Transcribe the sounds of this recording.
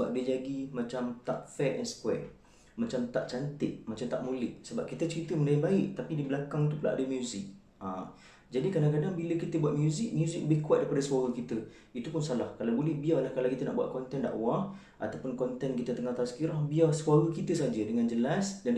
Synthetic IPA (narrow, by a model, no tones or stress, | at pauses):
səba̰p̚diad͡ʒaɡimat͡ʃamt̪aʔfɛt̪ɛnsə̥kwɛ̰ | mat͡ʃamt̪aʔt͡ʃant̪ɪʔ̚mat͡ʃamt̪a̰ʔmulɪʔsəbap̚kit̪ət͡ʃəɾit̪əməndaibaɪʔt̪apidiblakaŋt̪upula̰ʔa̰dəmjuzɪk̚ | a | d͡ʒadikadãŋkadaŋbiləkit̪əbuwat̪̚mjuzɪk̚mjuzɪk̚ləbɪhkuat̪̚daipadaswaɾəkit̪ə | it̪upunsalahkalawbolɛhbialahkalawkit̪əna̰ʔbua̰t̪̚kɔnt̪ɛnda̰ʔwa | ʔa̰t̪awpʊnkɔnt̪ɛnkit̪ət̪əŋaht̪aasə̥kiɾahbiasuaɾəkit̪əsad͡ʒədəŋãnd͡ʒəlasdan